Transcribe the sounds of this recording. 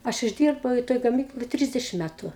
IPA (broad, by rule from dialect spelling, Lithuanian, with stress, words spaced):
ˈɐʃ ɪʒʲˈdʲiːrbɐʊ ɪ ˈtoːj ɡɐˈmʲiːklˠoːj ˈtʲrʲɪzʲdʲɛʃʲɪm ˈmʲætʊ